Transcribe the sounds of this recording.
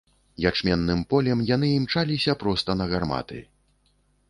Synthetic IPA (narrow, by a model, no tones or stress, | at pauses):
jat͡ʂmʲɛnːɨmpɔlʲɛmjanɨimt͡ʂalʲisʲɐpɾɔst̪ɐnɐɣarma̰t̪ɨ̰